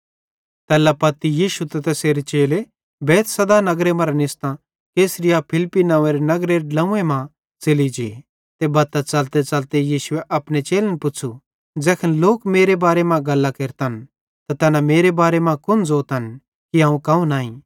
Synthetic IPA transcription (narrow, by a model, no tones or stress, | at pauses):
t̪ɛːlːapɐt̪ijiːʃut̪ɐt̪ɐseːɾet͡ʃeːle | bɛːt̪ʰsɐd̪anɐɡɾemɐ̃ɾanɪst̪ã | keːsɾɪjapʰɪlpːinɐ̃ʋẽɾenɐɡɾeɾlɐ̃ũẽmã | t͡sɪlid͡ʒḛː | t̪ebɐt̪ɐt͡sɐlt̪et͡sɐlt̪ejiːʃʊeʔɐpnet͡ʃeːlenpʊt͡ʃʰu | d͡zɛːkʰənloːkmeːɾebaːɾemãɡɐlːakeːɾt̪ɐn | t̪at̪ɛːnameːɾebaːɾemãkʊnd͡zoːt̪ɦɐn | kiɦãːũkɐ̃ũnaːĩː